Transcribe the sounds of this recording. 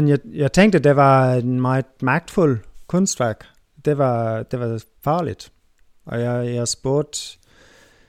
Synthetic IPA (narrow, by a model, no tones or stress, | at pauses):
enjajäɪt͡sʰeŋɡ̚d̥əd̥eʋɑ̈enmɑ̈ɪmɑ̈ɡ̥̚d̥fulkʰɔnsd̥ʋæɐɡ̥ | d̥e̝ʋɑd̥e̝ʋɑ̈ | fɑ̈ːlid̥ | ʔɒjajaɪsb̥o̝ɐ̰d̥